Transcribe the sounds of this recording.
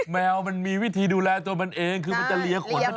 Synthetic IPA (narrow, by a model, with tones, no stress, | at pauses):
mɛː˧wma˧nmiː˧wi˦˥t̪ʰiː˧duː˧lɛː˧t̪u˧əma˧nʔeː˧ŋkʰɯː˧ma˧nt͡ɕa˧li˧ɐkʰu˨˩˦